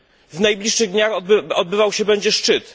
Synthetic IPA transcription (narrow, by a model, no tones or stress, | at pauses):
vnajblʲiʂʂɘɣd̪ɲaxɔd̪̚bɘvawɕɛbɛɲd͡ʑɛʂt͡ʂɘt̪